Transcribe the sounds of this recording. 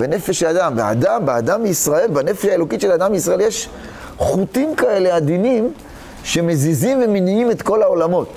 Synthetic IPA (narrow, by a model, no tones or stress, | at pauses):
bene̞feʃad̪ambea̰d̪ambead̪ameisʁae̞lbane̞feʃaelo̞kitʃelad̪ambeisʁaeljeʃ | χutimkae̞le̞ad̪inim | ʃe̞me̞zizimve̞meniime̞t̪ko̞lao̞lamo̞t